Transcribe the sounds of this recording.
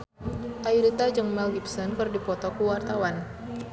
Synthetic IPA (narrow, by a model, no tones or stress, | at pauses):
ʔaiɾit̪ad͡ʒɨŋmɛlɡipsɔnkɨrdipɔt̪ɔkuwart̪awan